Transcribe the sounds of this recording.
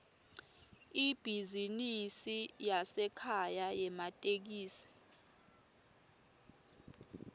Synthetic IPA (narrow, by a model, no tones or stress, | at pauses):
ib̥ʱizinisijasɛkʰajajɛmatʼek̬iːsi̥